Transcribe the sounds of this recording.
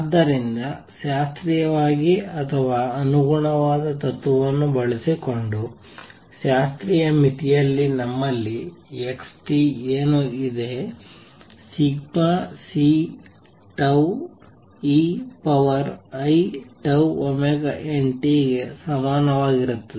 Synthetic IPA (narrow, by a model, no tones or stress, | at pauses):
d̪ːɐɾind̪ɐ | ʃaːst̪ɾijɐʋaːɡiɐt̪ʰɐʋaːɐnuɡuɳɐʋaːd̪ɐt̪ɐt̪ːuʋɐnːubɐɭisiko̞ɳɖu | ʃaːst̪ɾijɐmit̪ijɐlːinɐmːɐlːieksʈieːnuid̪e | siɡmasi | ʈɐw | iːpɐʋɐɾɐjʈɐwomɛɡɐʔeɳʈiɡesɐmaːnɐʋaːɡiɾut̪ːɐe